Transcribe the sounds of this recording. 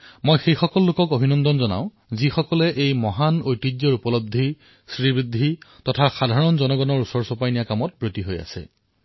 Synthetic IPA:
mojxejxɔkɔlːʊkɔkobʱinɔndɔnzɔna̰ʊ̃ | zixɔkɔlɛʔejmɔɦanojtid͡ʒjɔɹupɔlɔb̚d̪ʱi | sɹibɹid̪ʱːitɔtʰaxadʱaɹɔnzɔnɔɡɔnɔɹusɔɹsɔpajnijakamɔt̚bɹotiɦoja̰sɛ̰

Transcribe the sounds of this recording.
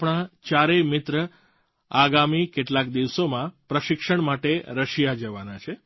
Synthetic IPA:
pɳ̃at͡ʃaɾemɪt̪ɾə | aɡamikeʈlak̚d̪iʋsomãpɾəʃɪkʃəɳmaʈeɾəʃijad͡ʒəʋanat͡ʃʰe

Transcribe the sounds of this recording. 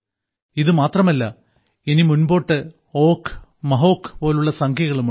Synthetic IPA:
iðɨmaːt̪rɐmɐlːɐ | enimunbo̞ːʈːɨ | oːkːmɐɦo̞ːkːɨ̥po̞ːluɭːɐsɐŋkʰjɐɣɐɭum

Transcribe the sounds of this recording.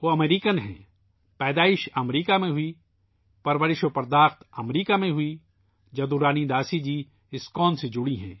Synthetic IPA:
ʋoɐmeːɾiːkənɦɛ̰̃ː | pɛːd̪aːɪʃɐmɾiːkamẽɦʊi | pɐɾʋəɾɪʃopɐɾd̪aːxt̪ɐmɾiːkamẽɦʊi | d͡ʒɐd̪uɾaːnid̪aːsid͡ʒiː | ɪskɔːnsed͡ʒʊɽiɦɛ̰̃ː

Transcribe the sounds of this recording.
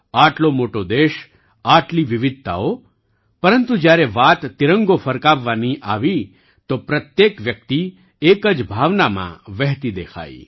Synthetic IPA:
aːʈlomoːʈod̪eːʃ | aːʈliʋɪʋɪd̪̚ʱt̪a̰o | pəɾənt̪ud͡ʒjaːɾeʋaːt̪ːɪɾə̃ŋɡofʰəɾkaːʋːaniʔaːʋi | t̪opɾət̪jeːkʋjək̚t̪i | ekəd͡ʒbʱaːʋnamã̰ʋɛɦt̪id̪eːkʰa̰ːḭ

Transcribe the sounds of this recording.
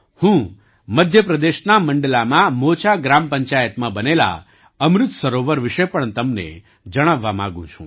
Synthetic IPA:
hũ | məd̪ʱjəpɾəd̪eʃnaməɳɖəlamãmot͡ʃaɡɾampəɲt͡ʃajət̪mãbənela̰ | əmɾɪt̪səɾoʋəɾʋiʃepəɳt̪əmnḛ | d͡ʒəɽ̃aʋːamã̰ɡṵ̃t͡ʃʰṵ̃

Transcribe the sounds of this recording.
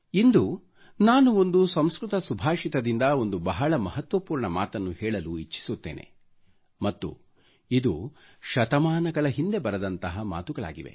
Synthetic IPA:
ind̪u | naːnuo̞nd̪usɐmskɾut̪ɐsubʱaːʂit̪ɐd̪ind̪ɐo̞nd̪ubɐɦɐɭɐmɐɦɐt̪ʋɐpuːɾɳɐma̰ːt̪ɐnːuhɛːɭɐluit͡ʃːi̥sut̪ːḛːnʔḛ | mɐt̪ːṵ | id̪ṵ | ʃɐt̪ɐmaːnɐɡɐɭɐɦind̪e̞bɐɾɐd̪ɐnt̪ɐɦɐma̰ːt̪uɡɐɭa̰ːɡiʋe̞̰

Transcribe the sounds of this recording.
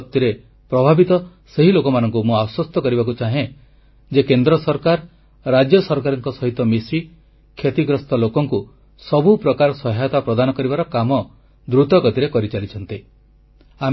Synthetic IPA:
t̪ːiɾe | pɾɔbʱabit̪ɔ | seɦilokɔmanɔŋk̬umũaswɔst̪ɔkɔɾibak̬ut͡ʃaɦẽ | d͡ʒekend̪ɾɔsɔɾkaɾː | ad͡ʒjɔsɔɾkaɾɔŋkɔsɔɦit̪ɔmisi | kʰet̪iɡɾɔst̪ɔlokɔŋku | sɔbupɾɔkaɾɔsɔɦajɔt̪apɾɔd̪anɔkɔɾibaɾɔkamɔ | d̪ɾut̪ɔkɔt̪iɾekɔɾit͡ʃalit͡ʃʰɔnt̪i | a

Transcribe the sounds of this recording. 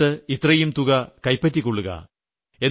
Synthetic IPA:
ɨit̪rɐjumt̪uɣɐkɐjpːɐt̬ːikːoɭːuɣɐ̰ | e̞n

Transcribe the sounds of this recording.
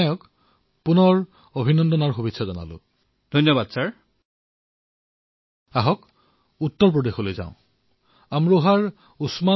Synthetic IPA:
jɔk | punɔɹ | obʱinɔndɔnaɹxubitsʰazɔna̰lʊ̰ | d̥ʱɔjnjɔbadsaɹ | aɦɔk | utːɔɹp̬ɹɔdexolojzã̰ʊ̃ | amɹuɦaɹ | usma

